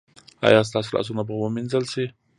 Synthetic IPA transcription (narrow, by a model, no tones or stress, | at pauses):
a̰jɑs̬t̪ɑslɑ̰s̬unabwaminzəlsi